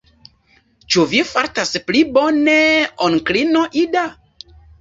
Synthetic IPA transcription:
t͡ʃuvifaɾtaspliboneonklinoʔida

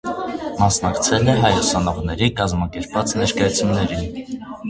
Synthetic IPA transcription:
mɑsnɑkt͡sʰɛlɛɦɑjɔsɑnɔʁnɛɾikɑzmɑkɛɾpvɑt͡snɛɾkɑjɑt͡sʰjunːɛɾin

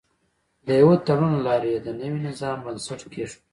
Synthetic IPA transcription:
d̪əjawot̪ɐɾunlɑːɾeed̪ənəwinɪzɑːmbɐnsɐʈkʰeʂ

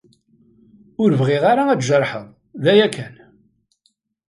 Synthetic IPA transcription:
ʊɾvʁeʁaɾaæt͡sʒəɾˤħə̰ðˤ | ðæjækʰːæn

